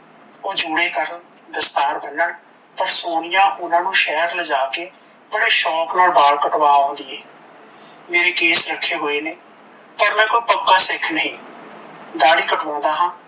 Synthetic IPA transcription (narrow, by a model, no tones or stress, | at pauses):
oːd͡ʒʊːɽeːkəɾən | d̪əst̪aːɾbənəɳ | pəɾsoːnɪjãːʔʊnãːnũːʃɛːɾləd͡ʒaːkeː | əpɳeːʃɔːknaːlbaːlkəʈʋaːɦõːnd̪iːɛː | meːɾeːkeːsɾəkʰːeːɦoːeːneː | pəɾmɛ̃ːkoipəkːaːsɪkʰnəɦĩː | d̪aːɽiːkəʈʰõːnd̪aːɦãː